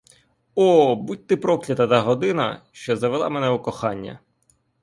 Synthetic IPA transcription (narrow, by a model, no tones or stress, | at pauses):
ɔbut̚ʲt̪ɪpɾɔklʲɐt̪ɐt̪ɐɦɔd̪ɪnɐ̰ʃt͡ʃɔzɐʋelˠɑ̰mɛnɛʊkɔxɑnʲːɐ̰